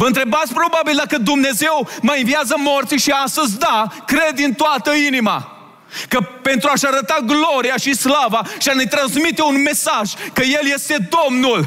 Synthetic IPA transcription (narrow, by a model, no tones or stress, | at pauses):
vəɨnt̪ɾe̞bat̪sʲpɾo̞babild̪akəd̪umne̞ze̞wməinviazəmo̞rt̪siʃiast̪əzʲd̪akɾe̞d̪int̪oat̪əinima̰ | kəpe̞nt̪ɾuaʃaɾət̪aɡlo̞ɾiaʃislavaʃianejt̪ɾanzmit̪e̞unme̞saʒkəje̞ljest̪e̞d̪o̞mnul